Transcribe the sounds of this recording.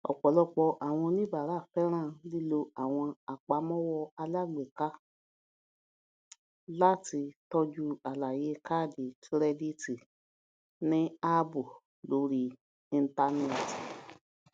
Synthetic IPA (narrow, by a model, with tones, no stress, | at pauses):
ɔ̰˨k͡pɔ˨lɔ˧k͡pɔ˧ʔa˨w̃ɔ̃˧nĩ˦ba˨ɾa˦˨fɛ˦ɾ̃ãː˦˨li˦lo˧a˨w̃ɔ̃˧a˨k͡pa˨˦mɔ̃˦wɔ˧a˧la˦˨ɡ͡be˨ka˦ | la˦ti˧tɔ˧d͡ʒu˧a˨la˨je˨˦ka˦˨di˨tɾɛ˧di˦ti˨ | nĩ˦a˦bu˨ | lo˧˦ɾi˦˧ | ĩ˧n̩˦ta˧nɛ˦˨ti˨